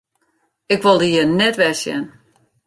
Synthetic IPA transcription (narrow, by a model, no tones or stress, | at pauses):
ɪkʋolˠdiənɛtʋɛsjɛ̰n